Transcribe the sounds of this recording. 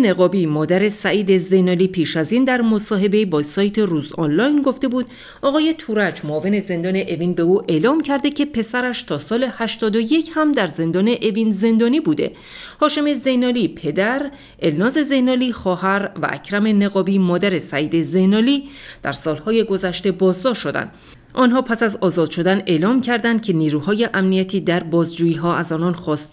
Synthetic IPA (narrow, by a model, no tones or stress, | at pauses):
neɣɒːbimɒːd̪æɾe̞sæʔiːd̪e̞ze̞jnɒːliːpʰiːʃæziːnd̪æɾmo̞sɒːɦe̞be̞ibɒːsɒːjt̪ʰe̞ruːzɒnlɒːjnɡo̞ft̪e̞buːd̪̥ | ɒːɣɒːje̞t̪ʰuːɾæd͡ʒmoʔve̞ne̞ze̞nd̪ɒːne̞ʔeviːnbe̞uːʔe̞lɒːmcʰæɾd̪e̞cʰe̞pʰe̞sæɾæʃt̪ʰɒːsɒːle̞hæʃt̪ɒːd̪o̞je̞cʰhæmd̪æɾze̞nd̪ɒːne̞ʔevinze̞nd̪ɒːniːbuːd̪e̞̰ | hɒːʃe̞me̞ze̞jnɒːlipʰe̞d̪æɾ | e̞lnɒːze̞ze̞jnɒːliːχɒːhæɾvæ̰ʔæ̰cʰɾæme̞ne̞ɣɒːbiːmɒːd̪æɾe̞sæiːd̪e̞ze̞jnɒːliːd̪̥æ̰ɾsɒːlhɒːje̞ɡo̞zæʃt̪e̞bɒːzd̪ɒʃːo̞d̪æ̰nd̪ | ʔɒːnɦɒːpʰæsæzɒːzɒːd̪̥ʃo̞d̪æne̞ːlɒːmcʰæɾd̪ænd̪̥̚cʰe̞niːɾuːhɒːje̞ʔæmnijæt̪ʰiːd̪æɾbɒːzd͡ʒuːjiːɦɒːæzɒːnɒnxɒːst̪